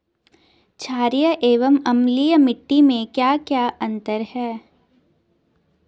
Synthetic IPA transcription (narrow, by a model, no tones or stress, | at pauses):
t͡ʃʰaːɾijəʔeːʋəmɐmlijəmɪʈːimẽkjaːkjaːʔɐ̃nt̪əɾhɛː